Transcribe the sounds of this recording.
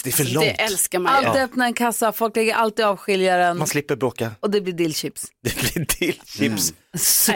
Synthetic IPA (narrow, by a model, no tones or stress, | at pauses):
d̥̪ɛæfœɭɔɛʔɛlskamaalt̪ːœpnaɾɛnkʰasːafɔlklɛɡːəɾʔalt̪iːd̪ɑːvɧɪljaɾənmanslɪpːəɾbɾoːkaɔd̪ɛblɪɖɪlɕɪpsd̪̥ɛblɪdɪlɕɪps